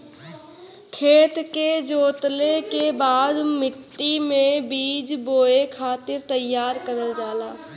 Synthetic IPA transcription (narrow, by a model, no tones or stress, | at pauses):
kʰeːt̪ked͡ʒoːt̪lekebaːd̪mɪʈːimẽbiːd͡ʒboːekʰaːt̪ɪɾt̪əjːaːɾkəɾəld͡ʒaːlaː